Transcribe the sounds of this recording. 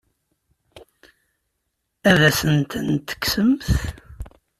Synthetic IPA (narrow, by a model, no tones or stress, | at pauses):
æðæsənt̪ənt̪ə̥kːsəmθ